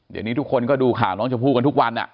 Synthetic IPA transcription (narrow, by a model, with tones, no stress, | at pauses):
ja̰˨˩ŋni˦t̪ʰu˦˥kʰːo˧nkɔː˥˩duː˧kʰaː˨˩wnɔː˦˥ŋt͡ɕa˨˩pʰuː˥˩t̚ka˧nt̪u˦˥k̚wa˧nʔa̰˨˩ʔ